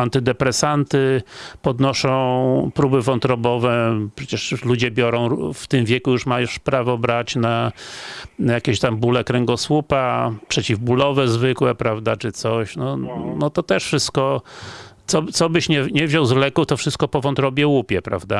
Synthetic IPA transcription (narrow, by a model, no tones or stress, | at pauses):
ant̪ɘd̪ɛpɾɛsant̪ɘpɔd̪nɔʂɔ̃w̃pɾubɘvɔnt̪ɾɔbɔvɛpʂɛt͡ɕɛʂlud͡ʑɛbʲjɔɾɔ̃w̃ft̪ɘmvʲjɛkujuʂmajuʂpɾavɔbɾat͡ɕna | jakʲɛɕt̪ambulɛkɾɛŋɡɔswupapʂɛt͡ɕivbulɔvɛzvɘkwɛpɾavd̪at͡ʂɘt̪sɔɕnɔnɔt̪ɔt̪ɛʂfʂɘst̪kɔ | t̪sɔt̪sɔbɘɕɲɛɲɛvʑɔwzlɛkuft̪ɔfʂɘst̪̚kɔpɔvɔnt̪ɾɔbʲjɛwupʲjɛpɾa̰vd̪a